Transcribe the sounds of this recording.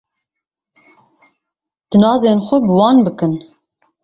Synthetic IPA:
d̪̥ɨnɑːzeːnxʷɛbɨwɑːnbɨkɨn

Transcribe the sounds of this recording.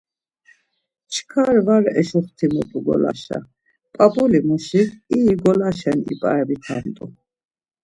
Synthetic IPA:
t͡ʃʰkʰaɾvaɾɛʃuχt̪ʰimɔpʼuɡɔ̰la̰ʃa̰ | pʼapʼulimuʃikiɡɔlaʃɛnḭpʼa̰ɛbit̪ʰant̪ʼu

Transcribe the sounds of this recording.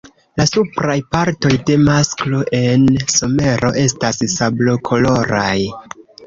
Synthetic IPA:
lasupɾajpaɾto̞jde̞masklo̞ʔe̞nso̞me̞ɾo̞ʔe̞stassablo̞kʰo̞lo̞ɾaj

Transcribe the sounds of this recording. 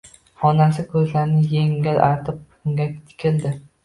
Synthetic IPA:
hɒnasɪkʰɵzlaɾnɪjeŋʲɪlʔa̰ɾt̪ʰɪp̚ | ʊŋɡʲakʲt̪ʰɪ̥kʲʰɪld̪ɪ

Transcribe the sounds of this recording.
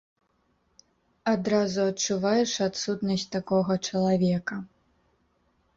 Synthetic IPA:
ad̪ɾazuɐt͡ʂːuvajɛʂat̪sut̪nɐsʲtʲt̪akɔɣɐt͡ʂɐlˠavʲɛkɐ

